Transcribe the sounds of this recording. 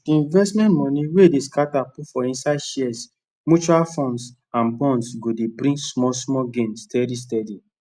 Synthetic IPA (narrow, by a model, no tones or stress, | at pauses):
diĩnvɛstmɛ̃ntmɔ̃niwedeskatapufɔĩnsaɪʃiɛs | mut͡ʃualfɔ̃ns | ãnbɔ̃ndsɡodebɾĩsmɔsmɔɡẽnstɛdis̬tɛdi